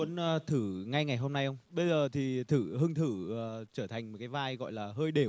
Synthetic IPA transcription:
ənː˧t̪ʰɨ˧˩ŋa˧jŋa˨˩jɦo˧mna˧jʔə˧wŋ͡mɓə˧jzəː˨˩t̪ʰi˨˩t̪ʰɨː˧˩hɨ˧ŋt̪ʰɨ˧˩ə˨˩t͡ɕəː˧˩t̪ʰa˨˩jŋ̟m˨˩t̚kaː˨˦vaː˧jɣɔ̰˧˨jlaː˨˩ɦəː˧jɗe˧˩

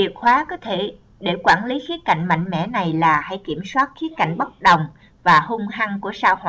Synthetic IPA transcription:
ḭ˨˩ət̚xwaː˨˦kɔ˨˦t̪ʰe˧˩ | ɗe˧˩kwaː˧˩nli˨˦xi˨˦ət̚ka̰˧˨jŋ̟ma̰˧˨jŋ̟mɛ̰˧˥na˨˩jlaː˨˩ha˧˥˩jki˧˩əmswaː˦˥t̚xi˨˦˥ət̚ka˧˨jŋ̟ɓə˦˥t̚ɗə˨˩wŋ͡m | vaː˨˩hʊ˧ŋ͡mɦa˧ŋku˧˩əsaː˧whwa̰˧˨

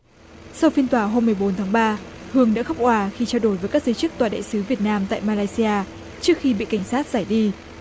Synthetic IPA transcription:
sa˧wfi˧nt̪waː˧˩ɦo˧mːɨ˨˩əjɓo˨˦nt̪ʰaː˨˦ŋɓaː˧hɨ˨˩əŋɗa̰ː˧˥xə˦˥wk͡p̚ʔwaː˧˩xi˧t͡ɕaː˧ɗo˧˩jvəː˨˦jkaː˦˥k̚zəː˨˦t͡ɕɨ˦˥k̚t̪waː˨˩ɗa̰ː˧˨jsɨ˨˦vi˨˩ət̚naː˧mt̪a̰ː˧˨jmaː˧laː˧jsi˧ʔaː˧ | t͡ɕɨ˦˥ək̚xi˧ɓḭ˧˨ka˧˩ŋ̟saː˦˥t̚zaː˧˩jɗi˧

